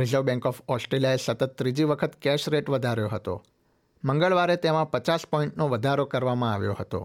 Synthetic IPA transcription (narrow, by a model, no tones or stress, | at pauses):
ɾɪzəʋbɛ̃ŋkɔfɔsʈɾelijaesət̪ət̪ːɾid͡ʒiʋəkʰət̪kɛʃɾeʈʋəd̪ʱaɾjoɦət̪o̰ | məŋɡəɭʋaɾet̪emãpət͡ʃaspɔĩɳʈnoʋəd̪ʱaɾokəɾʋamãaʋjo̰ɦət̪o̰